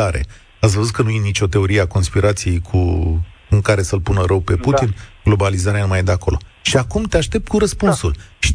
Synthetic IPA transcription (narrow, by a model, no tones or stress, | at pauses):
aɾe̞̰ | at̪svəzut̪̚kənuje̞nit͡ʃʲo̞t̪e̞o̞ɾieako̞nspiɾat̪sije̞jkʰu | ɨŋkaɾe̞səlpunəɾəwpe̞put̪inɡ̥lo̞balizaɾeanumajd̪eako̞lo̞ʃiakumt̪eaʃt̪e̞p̚t̪̚kuɾəspunsulʃi̥